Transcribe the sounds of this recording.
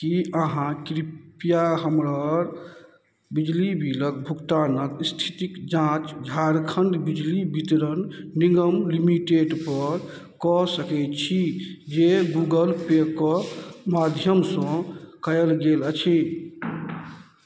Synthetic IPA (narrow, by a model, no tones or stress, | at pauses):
kiʔəɦãkɾipijaɦəmɾəɾ | bid͡ʒlibʱilək̚bʱukt̪anəkst̪ʰi̥t̪ikd͡ʒãt͡ʃd͡ʒʱaɾkʰəɳɖ̪bid͡ʒlibit̪ɾənːiŋɡəmlimiʈeɖpəɾ | kɔsəkɛt̪t͡ʃʰid͡ʒeɡuɡəlpekɔmad̪ʱjəmsə̃kəjəlɡelət͡ʃʰi